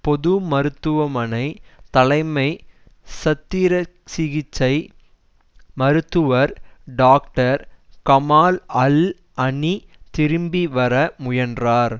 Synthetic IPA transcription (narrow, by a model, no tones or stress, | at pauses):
pɔðɯmɐɾɯt̪ːɯʋɐmɐnɐɪt̪ɐlɐɪmɐɪ | sɐt̪ːɪɾɐ | sɪɣɪt͡ʃːɐɪ | mɐɾɯt̪ːɯʋɐɾɖaːk̚ʈɐɾkɐmaːlɐl | ɐnit̪ɪɾɯmbiʋɐɾɐmʊjɐndraːɾ